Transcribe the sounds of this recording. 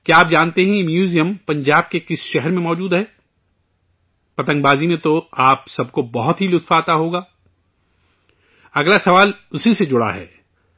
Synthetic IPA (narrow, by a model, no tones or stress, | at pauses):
kjaːp̚d͡ʒãːnt̪eɦɛ̃mjuːzijəmpɐ̃ɲd͡ʒaːb̚kekɪsʃɛɦɛɾmẽmɔːd͡ʒuːd̪ɦɛː | pɐt̪ə̃ŋɡbaːzimẽt̪oaːpsɐb̚kobɐɦʊt̪ɦilʊt̪faːt̪aɦoːɡaː | ɐɡlasɐʋaːlʊsised͡ʒʊɽa̰ɦɛ̰ː